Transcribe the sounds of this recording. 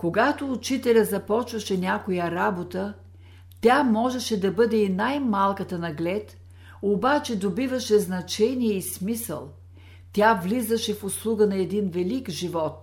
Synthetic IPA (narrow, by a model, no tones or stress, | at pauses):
koɡat̪oːt͡ʃit̪ɛlʲəzɐpɔt͡ʃvɐʃɛnʲakojəɾabot̪ə | t̪ʲamɔʒɛʃɛd̪ɐbɤd̪ɛinajmalˠkət̪ənɐɡlʲɛt̪ | obat͡ʃɛd̪obivəʃɛznɐt͡ʃɛnijɛismisə̰lˠ | t̪ʲavlizəʃɛfʊslˠuɡənɐɛd̪invɛlikʒivɔt̪̚